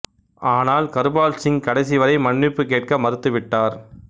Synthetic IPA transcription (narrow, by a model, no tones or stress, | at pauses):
aːnaːlkɐɾɯbaːlsɪŋkɐɽɐɪs̬ɪʋɐɾɐɪmɐɳːɪpːɯkeːʈ̚kɐmɐɾɯt̪ːɯʋɪʈːaːɾ